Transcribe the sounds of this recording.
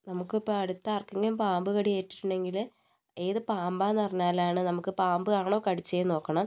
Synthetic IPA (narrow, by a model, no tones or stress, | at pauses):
nɐmukːɨpːoɐɽut̪ːɐɐrkːɐŋːɐlumpaːmbɨɣɐɽijeːtːi̥tːuɳɖe̞ŋɡil | e̞ːðɨpaːmbaːnɐrɲːaːlaːɳɨnɐmukːɨpaːmbɨkaːɳoːkɐɽit͡ɕːɐjno̞ːkːɐɳɐm